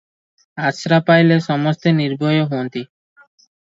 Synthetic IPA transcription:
aʃɾapajleʃɔmost̪eniɾbʱojoɦont̪i

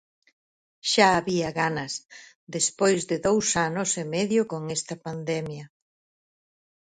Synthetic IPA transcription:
ʃaːβiɐɣanɐs | ðespojzðɪðowsanosemɛðjoʊkoŋɛst̪ɐpand̪ɛmjɐ

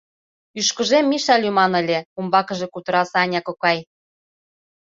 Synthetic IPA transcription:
yʃkə̆ʒemːiʃɑlʲymɑnə̆lʲeumbɑkɤ̆ʒekut̪ə̆ɾɑsɑnʲɑkokɑj

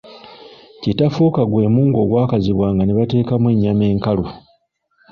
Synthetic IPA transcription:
cetafuːkaɡwe̞ːmuːŋɡo̞ɡwaːkaziβwaːŋɡaneβate̞ːkamweɲːame̞ːŋkalo

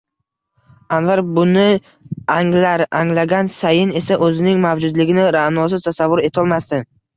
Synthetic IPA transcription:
anvaɾbʊnɪ | aŋlaɾaŋlaɡʲansajɪne̞saʔɵzɪnɪŋmavd͡ʒʊd̪lɪɡʲɪnɪɾaʔnɒsɪt̪ʰasavːʊɾe̞t̪ʰɒlˠmast̪ɪ

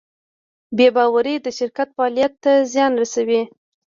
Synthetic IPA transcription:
bebɑwaɾid̪əʃɪɾkat̪fɑɑlijat̪ːazjɑnɾasawi

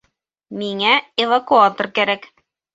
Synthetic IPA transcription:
miŋæɪvɐkuat̪orkæɾæk

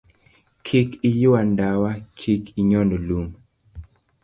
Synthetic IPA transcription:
kʰikijʊwandawakʰikʰiɲɔnolum

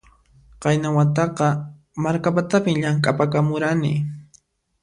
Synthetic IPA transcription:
qɑjnawat̪ɑqɑ | maɾkapat̪apɪmʎaŋkʼapakamʊɾanɪ̰

